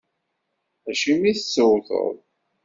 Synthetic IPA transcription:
æʃimiθət͡sːəwθə̰ðˤ

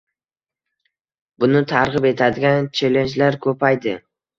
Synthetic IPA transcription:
bʊnɪt̪ʰaɾʁɨpe̞t̪ʰad̪ɪɡʲant͡ʃʰe̞le̞nt͡ʃlaɾkʰɵpajd̪ɪ

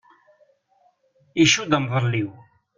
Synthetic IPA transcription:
iʃud̪əmðˤəlːiw

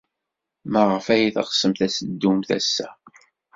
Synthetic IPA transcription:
məʁəfæjiθəʁsəmθæsəd̪ːumθæ̰sːæ

